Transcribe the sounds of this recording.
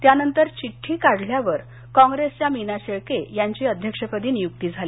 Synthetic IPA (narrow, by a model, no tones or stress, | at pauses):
t̪janənt̪əɾt͡ɕiʈʰːiːkaɽ̤ljaʋəɾ | kɔ̃ŋɡɾest͡ɕjaminaɕeɭkejaɲt͡ɕiːəd̪ʱjəkʂəpəd̪iːnijukt̪iːd͡zʱali